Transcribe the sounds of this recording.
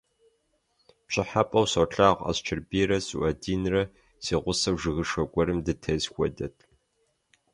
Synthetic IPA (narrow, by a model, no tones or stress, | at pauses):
pɕʼɪħapʼɐwsɐɬʼaːʁʷa̰st͡ʃʰɪrbiːɾɐsuʔɐdiːnrɐ | siːʁʷʊsɐwʐɨɣɨʂɐkʷʼɔɾɨmdɨtʰɐzxʷɔdɐtʰʼ